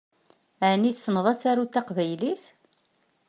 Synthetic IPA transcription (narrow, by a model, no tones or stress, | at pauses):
ʕniθsnəðˤæt͡sːaɾut̪ːaqvæjliθ